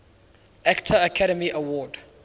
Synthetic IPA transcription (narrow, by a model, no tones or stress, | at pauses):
aktʰəəkʰaɾəmiʔəwɔːd